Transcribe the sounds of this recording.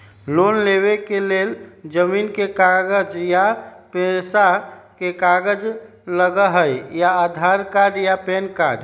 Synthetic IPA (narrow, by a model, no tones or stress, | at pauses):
lonleβekeleld͡ʒəminkekaɡəd͡ʒjapesakekaɡəd͡ʒ | ləɡəɦəjjaːd̪ʱaɾkaɾɖjapenkaɖ